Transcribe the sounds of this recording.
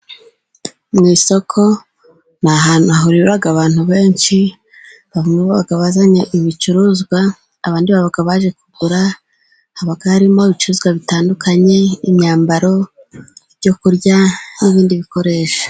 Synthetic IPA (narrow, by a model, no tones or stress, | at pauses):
mŋiːso̞kʰo̞ | naɦanuaɦuɾiβaɡaβaːn̥huβe̞ːnʃi | βavumeβaβaɡaβazaɲeʔiβit͡ʃuɾuzɡwaː | βaːndiβaβaɡaβaʒe̞kuɡuɾa | haβaɡahaɾimo̞βit͡ʃuɾuːzɡwaβitaːndukʰaɲe̞iɲɲaːmbaɾo̞ | βɟo̞kuɾɟaniβiːndiβiko̞ɾe̞ːʃḁ